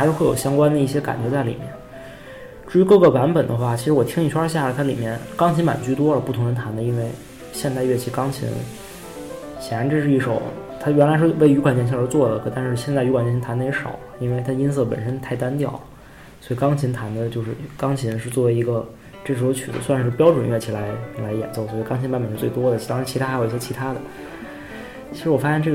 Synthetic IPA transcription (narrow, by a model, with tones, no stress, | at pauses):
a˧˥ʂɻ̩˥we˥˩ɪjo˨˩ɕjɑ˥ŋkwa˥nd̪ə˨˧i˥˩ɕjɛ˥ka̰˨˩nt͡ɕɥɛ˧˥t͡sa˥˩ɪlḭ˨˩mjɛ̰˥˩n | ʈ͡ʂu˥˩y˧˥kɤ˥˩ɡə˥˩wa˧˥npə˨˩nd̪ə˦xwa˥˩t͡ɕʰi˧˥ʂɻ̩˧˥wɔ˨˩t̪ʰi˥ŋi˥˩wa˥ɕ̬ja˥˩lə˨˩t̪ʰa˥lḭ˨˩mjɛ˥˩nkɑ˥ŋt͡ɕʰi˧˥nma̰˨˩nt͡ɕy˥˩t̪wɔ˥lə˨pu˥˩t̪ʰʊ˧˥ŋnd̪ə˧t̪ʰa˧˥nd̪ə˧i˥nwe˥˩ɪ | ɕjɛ˥˧nt̪a˥˧ɪɥɛ˥˩t͡ɕʰi˧˥kɑ˥ŋt͡ɕʰḭ˧˥ŋ | ɕjɛ˨˩ɻa˧˥ʈ͡ʂɻɤ˥˧ʂɻ̩˥˧i˥˩ʂo˨˩˦ʊt̪ʰa˥ɥɛ˧˥nla˧˥ʂɻ̩˥˧˩we˥˩ɪy˧˥kʰa˨˩nt͡ɕjt͡ɕʰə˞˧˥t͡swɔ˥˩lə˩kʰɤ˨˩t̪a˥˧nʂɻ̩˥˧ɕ̬jɛ˥˧nt͡sa˥˩ɪy˧˥kʰwa˨˩nt͡ɕt̪ʰa˧˥nd̪ə˧˩jɛ˧˥ʂɑ̰˨˩˦ʊi˥nwe˥˩ɪt̪ʰa˥ə˧i˥ns̬ɤ˥˩pə̰˨˩nʂə˥nt̪ʰa˥˩ɪt̪a˥nt̪jɑ˥˩ʊ | swɔ˧˥i˨˩kɑ˥ŋt͡ɕʰi˧˥ŋt̪ʰa˧˥nd̪ə˧t͡ɕjo˥˧ʊʂɻ̩˥˩kɑ˥ŋt͡ɕʰi˧˥nʂɻ̩˥˧t͡swɔ˥˩we˧˥ɪi˧˥ɡə˧ | ʈ͡ʂɤ˥˩ʂɻ̩˥˩o˧˥ʊt͡ɕʰy̰˨˩d̪ə̰˦swa˥˧nʂɻ̩˥˩pjɑ˥ʊʈ͡ʂwə˨˩nɥɛ˥˩t͡ɕʰi˧˥˩la˧˥ɪla˧˥ɪjɛ̰˨˩nt͡so˥˧ʊswɔ˧˥i˨˩kɑ˥ŋt͡ɕʰi˧˥npa˥npə˨˩ʂɻ̩˥˧t͡swe˥˩ɪt̪wɔ˥d̪ə˨˥t̪ɑ˥ŋ˧a˧˥nt͡ɕʰt̪ʰa˥˧˥jjɛ˥t͡ɕʰi˧˥t̪ʰa˥d̪ə˨ | t͡ɕʰi˧˥ɻ̩˧˥wɔ˨˩fa˥ɕjɛ˥˧nʈ͡ʂɤ˥˩